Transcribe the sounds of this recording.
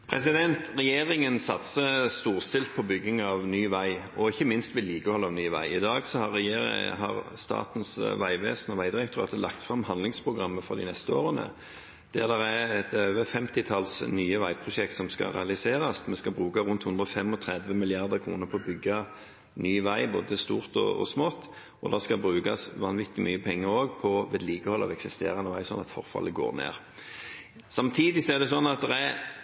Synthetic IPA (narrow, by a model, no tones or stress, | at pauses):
pʰɾɛsɪd̪ɛnt̪ʁɛjeːʁɪŋənsɑt̪səst̪uːʁst̪ɪlt̪̚pʰɔbʏɡːɪŋɑʋnyːʋæɪ | ɔɪçːəmɪnst̪ʋɪliːkəhɔlːɑʋnyːʋæ̰ɪɪd̪ɑːɡsɔhɑʁːɛjḛːɦɑ̰ʁst̪ɑ̰ːt̪nsʋæɪʋeːsnɔʋæɪd̪ɪʁɛkt̪ʰʊʁɑ̰ːt̪əlʔɑ̰kt̪fʁɑmhɑnlɪŋspʰʁʊɡʁɑmːəfɔʁd̪ɪ̰nɛst̪əoːʁənə̰ | d̪̥æʁd̪æʁæɛt̪øːʋəfɛmt̪ɪt̪ʰɑlsnyːəʋæɪpʰʁʊʃɛk̚t̪sɔmskɑ̰ʁɛ̰ɑlɪseːɾɑsmɛskɑbʁʉːkɑʁʉnt̪hʉnd̪ʁɔfɛmɔt̪ʰɾɛd̪ʋəmɪlɪɑʁd̪əkʰʁṵːnəpʰɔbʏɡːɑ | nyːʋæɪboːd̪əst̪uːʁt̪ɔ̰ɔ̰smoːt̪ | ɔd̪ɛskɑbʁʉːkɑsʋɑnʋɪt̪ːɪmʔy̰ːəpʰɛŋːəɾoːɡpʰɔʋeːd̪liːkəhɔlːɑ̰ʋɛksɪst̪ḛːɾʁɑnəʋæɪsɔnɑ̰t̪fɔ̰ʁfɑ̰ləɡo̰ːʁnḛːʁ | sɑmt̪ʰiːd̪ɪsɔɛʁd̪ɛsɔnːɑt̪̚d̪ɛʁæ